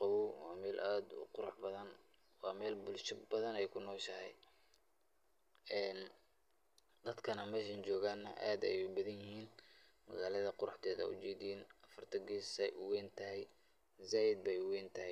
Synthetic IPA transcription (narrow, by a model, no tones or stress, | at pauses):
qɑwʊwɑːmɛːlʔaːd̪ʊ̰qʊɾʊħbɐðɐn | wɑːmɛːlbʊlʃɐbɐðɐnɛjkʰʊnɔːʃɐhɛj | ɛːn | d̪̥ɐd̪kʰɐnɐmɛʃɐnt͡ʃɔːɣaːnːɐʔa̰ːd̪ɛ̰jbɐðɐnjɪhiːn | mɐɣaːlɐðɐqʊɾʊħt̪ʰɛːðɐ̰ʊ̰t͡ʃɛːd̪ɪjnɐfɐrt̪ʰɐɡiːsɛjwɛːnt̪ʰɐɦɛj | zaːjɪd̪̚bɛjwɛːnt̪ʰɐɦɛj